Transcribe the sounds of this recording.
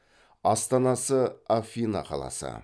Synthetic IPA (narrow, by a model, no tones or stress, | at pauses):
ɑst̪ɑnɑsəafʲinɑ̰qʰɑlˠɑ̰sə̰